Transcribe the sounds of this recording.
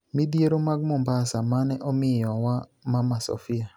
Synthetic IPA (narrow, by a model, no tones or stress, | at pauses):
midjeɾomaɡmɔmbasamanɛʔɔmɪjɔwamamasɔ̰fɪa